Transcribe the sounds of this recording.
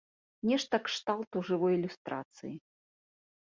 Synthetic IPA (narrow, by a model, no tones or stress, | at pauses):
nʲɛʂt̪ɐkʂt̪alˠt̪uʐɨvɔjilʲust̪ɾʔa̰t̪sɨ̰ji